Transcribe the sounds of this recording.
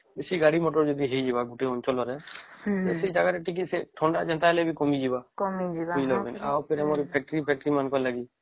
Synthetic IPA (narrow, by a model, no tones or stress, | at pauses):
besiɡaɽimɔʈɔɾd͡ʒɔd̪iɦejd͡ʒiβaɡuʈeɔnt͡ʃɔlɔɾɛt̪esejd͡ʒaɡaɛʈʰik̬iseʈʰɔɳɖad͡ʒɛnt̪aɦɛlɛbikɔmid͡ʒibakɔmid͡ʒibud͡ʒlɔbɛnawpʰeɾɛmɔɾipʰɛk̚ʈɾipʰɛk̚ʈɾimankɔnlaɡi